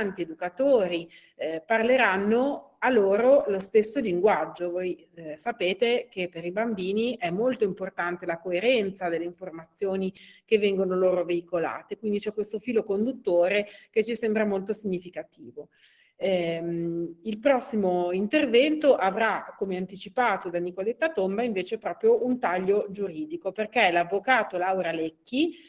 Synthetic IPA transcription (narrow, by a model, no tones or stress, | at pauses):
nt̪ied̪ukat̪oːɾi | parleɾanːo | alːoːɾolost̪esːoliŋɡwad͡ʒːovoj | sapeːt̪ekepːeɾibambiːniʔɛmːolt̪oimport̪ant̪elakoeɾɛnt̪sad̪elːeiɱformat̪sːjoːnikevːɛŋɡonoloːɾoveikola̰ːt̪ekwind̪it͡ʃɛkːwest̪ofiːlokond̪ut̪ːoːɾek̟et͡ʃːisɛmbɾamolt̪osiɲːifikat̪iːvo | ɛ | ilpɾɔsːimoint̪ervɛnt̪oʔavɾakːomeant̪it͡ʃipaːt̪od̪anikolet̪ːat̪ombaiɱveːt͡ʃepɾɔːpɾjoʔunt̪aʎːod͡ʒuɾiːd̪ikoperkɛlavːokaːt̪olawɾalɛkːi